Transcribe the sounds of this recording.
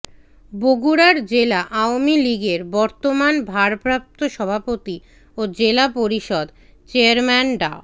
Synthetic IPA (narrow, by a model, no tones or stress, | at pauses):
boɡuɾaɾd͡ʑelaʔaomiliɡeɾbɔɾt̪omanbʱaɾpɾap̚t̪oʃɔbʱapot̪i | od͡ʑelapoɾiʃɔd̪ | t͡ɕeaɾmɛnɖa̰